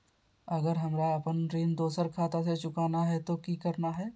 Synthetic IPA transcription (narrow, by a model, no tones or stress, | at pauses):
əɡəɾɦəmɾaɐpənɾiːnd̪oːsəɾkʰaːt̪aset͡ʃʊkaːnaɦɛt̪okikəɾnaɦɛː